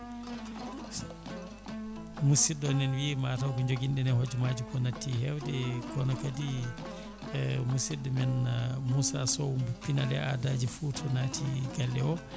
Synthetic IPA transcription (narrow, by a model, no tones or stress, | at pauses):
musidɔnɛnwimatawkɔɲd͡ʒoɡindɛnɛhod͡ʒumad͡ʒukɔnatːihɛwdɛkɔnɔkadi | musidɛmɛnmusasɔumbupinalɛʔa̰dad͡ʒifutʰɔnatʰiɡalːɛɔ